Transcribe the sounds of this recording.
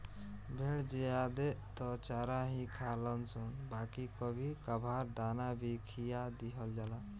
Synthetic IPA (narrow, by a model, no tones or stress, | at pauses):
bʱeɽd͡ʒead̪et̪ɔt͡ʃaɾaɦĩkʰalənsʰənbakikəbʱikabʱaɾd̪anabʱikʰijad̪iɦəld͡ʒala